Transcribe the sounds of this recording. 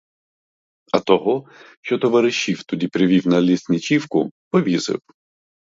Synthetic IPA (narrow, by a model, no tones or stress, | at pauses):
ɐ̰t̪ɔɦɔʃt͡ʃɔt̪ɔʋɐɾɪʃːiwt̪ʊd̪ʲipɾʲɪʋʲiwnɐlʲisʲnʲɪt͡ʃiwkʊpɔʋʲizɪ̰w